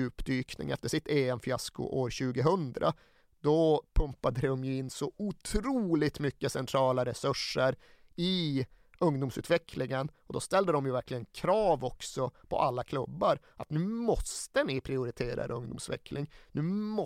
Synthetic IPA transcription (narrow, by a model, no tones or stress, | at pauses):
ʉ̟ːpd̪yːknɪ̰ŋɛ̰ft̪əʂɪt̪eːɛmfjaskʊ̰ʔoːɾɕʉ̟ːɡəɦɵnd̪ɾa̰ | d̪ɔpʰɵmpːad̪əd̪d̪ɔmjɪnːsɔʊt̪ʰɾuːlɪt̪mʏkːəsɛnt̪ʰɾɑːlaɾɛsɵʂːəɾ | ɪ | ɵŋd̪uːmsʉ̰ːt̪vɛkʰlɪŋənɔd̪ɔst̪ɛld̪əd̪ɔmjɵvæɾkʰlɪɡənkʰɾɑːvɔksɔpʰɔ̰ʔalːakʰlɵbːaɾ | at̪nʉ̟ːmɔst̪ənɪpʰɾɪʊɾɪt̪ʰeːɾa̰ɾə̰ɵŋd̪ʊ̰msvɛ̰kʰlɪŋnʉ̟ːm